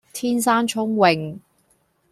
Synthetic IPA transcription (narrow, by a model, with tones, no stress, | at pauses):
t̪ʰiː˥nsaː˥nt͡ʃʰʊ˥ŋwɪ˨˩ŋ